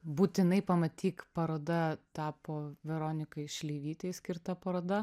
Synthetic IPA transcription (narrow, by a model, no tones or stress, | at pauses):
buːt̪ʲɪnɐɪpɐmɐt̪ʲiːkpɐɾoːd̪ɐt̪ɑːpoːʋʲɛɾoːnʲɪkɐɪʃʲlʲeɪʋʲiːt̪ʲɛɪsʲkʲɪɾt̪ɐpɐɾoːd̪ɐ